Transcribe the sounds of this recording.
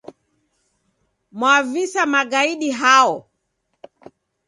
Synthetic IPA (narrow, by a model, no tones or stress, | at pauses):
mwavisamaɡaiɗiɦaɔ